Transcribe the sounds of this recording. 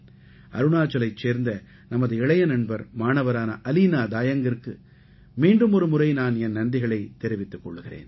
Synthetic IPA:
ʔɐ̰ɾɯɳaːt͡ʃːɐlɐɪt͡ʃːeːɾnd̪ɐ | nɐmɐðɯɛɭɐjɐnɐɳbɐɾmaːnɐʋɐɾaːnɐʔɐlinaːd̪aːjɐŋɡɪrkɯ | miːɳɖɯmɔɾɯmʊrɐɪnaːnɛnːɐɳɖɪɣɐɭɐɪt̪ːɛɾɪʋɪt̪ːɯkːɔɭːɯɣɪrḛːn

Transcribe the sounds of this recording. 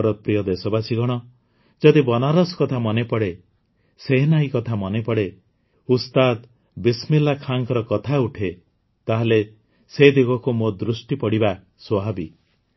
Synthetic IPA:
ɾɔpɾijɔd̪esɔbasiɡɔɽ̃ɔ | d͡ʒɔd̪ibɔnaɾɔskɔt̪ʰamɔnepɔɽe | seɦenaikɔt̪ʰamɔnepɔɽe | ust̪ad̪ | bismilːakʰaŋkɔɾɔkɔt̪ʰauʈʰe | t̪aɦele | sed̪iɡɔkumod̪ɾusʈipɔɽiba | swɔɦabi

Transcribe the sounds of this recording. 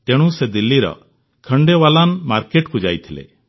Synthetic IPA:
t̪eɽ̃ũsed̪ilːiɾɔ̰ | kʰəɳɖewalanmaɾkeʈkud͡ʒajt̪ʰilḛ

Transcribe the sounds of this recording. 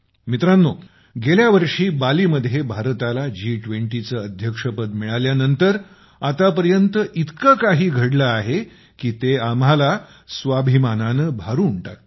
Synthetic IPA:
mit̪ɾanːo | ɡeljaʋəɾʂiːbaliːməd̪ʱjebʱaɾt̪alad͡ʑiːʈʋeɳʈit͡səːəd̪ʱjəkʂəpəd̪miɭaljanənt̪əɾ | at̪apəɾjənt̪əʔit̪kakaɦiːɡʱəɽləaɦe | kiːt̪eamala | sʋabʱimananəbʱaɾuɳʈa̰t̪

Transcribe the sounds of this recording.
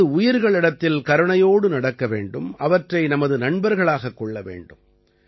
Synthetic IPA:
ɯʊjɪɾɣɐɭɪɽɐt̪ːɪlkɐɾɯɳɐjoːɽɯnɐɽɐkːɐʋeːɳɖɯmɐʋɐʈrɐɪnɐmɐðɯnɐɳbɐɾɣɐɭaːɣɐkːɔɭːɐʋḛːɳɖɯm

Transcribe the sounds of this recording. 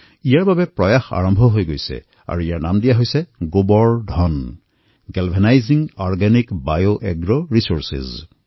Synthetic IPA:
ijaɹbabɛpɹɔjaxa̰ɹɔmbʱɔɦojɡojsɛ̰ | a̰ɹuijaɹnamdijaɦojsɛɡobɔɹdʱɔn | ɡɛlbʱɛnajziŋɔɹɡanikbajoʔɛɡɹoɹisoɹsḭz

